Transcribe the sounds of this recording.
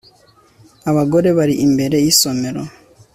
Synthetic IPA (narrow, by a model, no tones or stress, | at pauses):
aβaɡoɾe̞βaɾiʔimbe̞ɾe̞jiso̞me̞ɾo